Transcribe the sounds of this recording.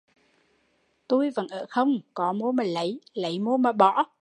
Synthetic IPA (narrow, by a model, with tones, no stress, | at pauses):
t̪u˧jvə̰˧˥nʔəː˧˩xə˧wŋ͡mkɔ˨˦mu˧maː˨˩lə˨˦jlə˨˦jmu˧maː˨˩ɓɔ̰˧˨